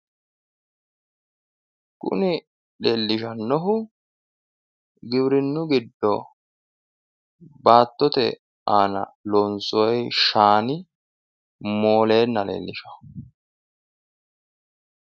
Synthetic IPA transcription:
kʊ̰nɪ | lelːɪʃɐnːɔɦʊ | ɡɪbɾɪnːʊɡɪd̪ːɔ | baːt̪ːɔt̪ɛ̰ | aːnɐ̰lɔnsɔɔjʃaːnɪ | moːle̞ːnːɐlḛːlːɪʃɐ̥

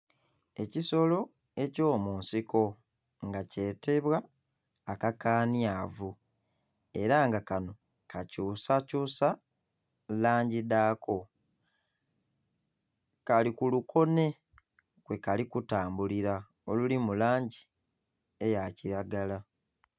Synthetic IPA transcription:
e̞ciso̞lo̞ | e̞co̞ːmuːnsiko̞ | ŋɡace̞ːte̞βwaː | kakaːnjaːvu | e̞ɾaŋɡakano̞ | kʰacuːsacuːsa | laːɲɟidaːkʰo̞ | kalikulukʰo̞ne̞ | kwe̞kalikutaːmbuliɾa | o̞lulimulaːɲɟi | e̞jaciɾaɡala

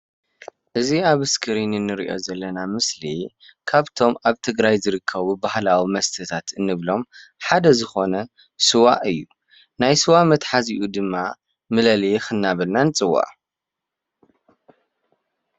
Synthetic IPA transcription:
ʔɨziaβɨskʰɨɾinɨnɨɾiʔo̞̰zɐlːɐnamɨsli | kʰaβt̪ʰo̞maβt̪ʰɨɡɾajzɨɾɨkʰːɐβubahlawimɐst̪ʰɨt̪ʰat̪ɨnːɨβlo̞mħad̪ɐzɨxo̞nɐ | sɨwaʔɨjːu | najsɨwamɐt̪ħaziʔud̪ɨmːa | mɨlɐlijxɨnːaβɨlnanɨt͡sʼɨwːa̰ʔ

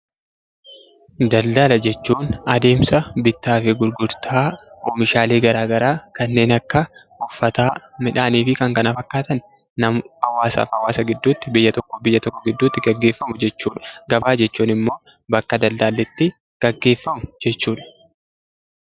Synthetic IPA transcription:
d̪ɐld̪aːlɐd͡ʒɛt͡ʃːuːnɐd̪e̞ːmsɐbɪt̪ːaːfɪɡʊɾɡʊɾt̪ʰaːoːmɪʃaːleːɡɐɾaːɡɐɾaːkɐnːe̞ːnɐkːɐ | ʊfːɐt̪aːmɪᶑaːniːfɪkɐŋkɐnɐfɐkːaːt̪ɐnː | ɐmhɐwaːsa̰ːfɐwaːsɐɡɪd̪ːuːt̪ːɪbɪjːɐt̪ɔkːɔbɪjːɐt̪ɔkːɔɡɪd̪ːuːt̪ːɪɡɐɡːe̞ːfːɐmʊd͡ʒɛt͡ʃːuːᶑɐ̥ɡɐbaːd͡ʒɛt͡ʃːuːnɪmːo̞ː | bɐkːɐd̪ɐld̪aːlːɪt̪ːɪ | ɡ̥ɐɡːe̞ːfːɐmʊd͡ʒɛt͡ʃːuːᶑɐ̥

